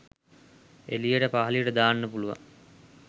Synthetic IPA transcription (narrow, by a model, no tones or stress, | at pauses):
ḛlijəʈəpaɦɐlijəʈəd̪aːnːəpuluʋa̰